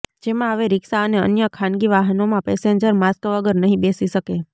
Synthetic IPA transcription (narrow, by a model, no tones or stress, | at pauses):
d͡ʒemãəʋeɾɪksaəneə̰njəkʰãnɡiʋaɦənomãpɛseɲd͡ʒəɾmaskʋəɡəɾnəɦĩbesiʃəke